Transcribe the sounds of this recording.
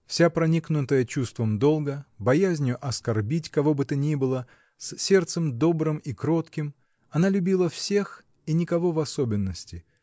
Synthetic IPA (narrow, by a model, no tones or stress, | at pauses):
fsʲapɾɐnʲiknʊt̪əjət͡ɕust̪vəmd̪o̞lˠɡəbɐjæzʲnʲɪjʊʔɐskɐrbʲitʲkɐvo̞bɨt̪ənʲibɨlˠə | sʲsʲe̞rt̪səmd̪o̞bɾɨmikɾo̞t̪kʲɪm | ɐnalʲʉbʲilˠəfsʲe̞x | inʲɪkɐvo̞vɐso̞bʲɪnːəsʲtʲɪ